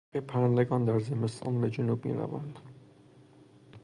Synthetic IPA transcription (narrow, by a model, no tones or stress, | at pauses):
epʰæɾænd̪eɡɒːnd̪æɾzemest̪ʰɒ̰ːnbed͡ʒʊnub̚mḭːɾæ̰væ̰nd̪̥